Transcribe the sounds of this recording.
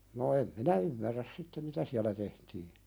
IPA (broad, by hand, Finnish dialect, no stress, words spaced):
no em minæ ymːærːæs sitːe mitæ siælæ tehtiː